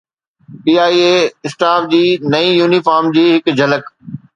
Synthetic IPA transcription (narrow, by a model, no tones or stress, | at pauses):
piːaːieːɪsʈaːfd͡ʑiːnɐĩjuːnifaːɾmd͡ʑiːɦɪkd͡ʑʱɐlək